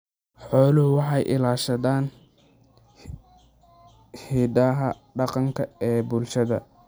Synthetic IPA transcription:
ħɔːlʊɦʊwɑħɑjʔɪ̰laːʃɐðaːn | hiːd̪ɐɦɐ̰ | ɖɑqɑŋkʰɐɛːbʊlʃɐðɐ̰

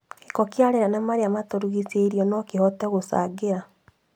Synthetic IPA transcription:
kikɔkjaɾeɾanamaɾeamatoɾuɣiseiɾiɔnɔkihɔtɛɣosa̰ːɡeɾa

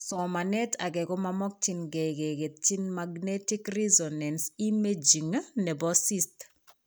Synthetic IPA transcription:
sɔmanɛtʰaɡɛɡɔmamɔk̚t͡ʃinɡɛɡeɡet̪̚t͡ʃinmaɡnetikrizɔnansimed͡ʒiŋnɛbɔsist

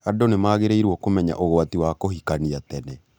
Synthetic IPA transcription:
adonemaːɣeɾeiɾwɔkomɛɲa̰ʔoɣoatiwakohikaniatɛnɛ

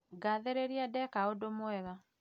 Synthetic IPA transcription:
ɡaðeɾeɾiadɛkaodomwɛɣa

